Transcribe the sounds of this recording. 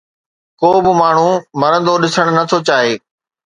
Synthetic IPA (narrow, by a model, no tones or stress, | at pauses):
koːbɪmaːɳ̤umɐɾə̃nd̪oɗɪsəɽ̃nɐt̪ʰot͡ɕaːɦeː